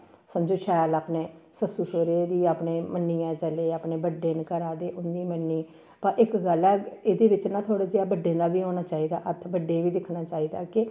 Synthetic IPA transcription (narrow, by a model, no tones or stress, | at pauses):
səmd͡ʒoːʃɛːlaːpneːsəsuːsoːɾeːd̪iːaːpneːmənːijãːt͡ʃəleːaːpneːbəɖẽːnkəɾaːd̪eːʔʊnd̪iːmənːiː | pəʔɪkɡəlɛːeːd̪eːʋɪt͡ʃnãːt̪ʰoːɽaːd͡ʒeaːbəɖːẽːnd̪aːʋiːɦoːnaːt͡ʃaːiːd̪aːʔət̪ʰbəɖẽːʋiːd̪ɪkʰnaːt͡ʃaːiːd̪aːkɪ